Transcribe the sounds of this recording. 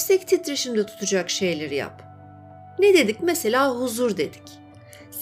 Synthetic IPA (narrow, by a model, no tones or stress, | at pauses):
sɛct̪ʰit̪ɾeʃimd̪ɛt̪ʰu̥t̪ʰud͡ʒakʃe̞jlʲeɾija̰p | ned̪e̞d̪icmese̞lʲaːɦuzuɾd̪e̞d̪i̥c | s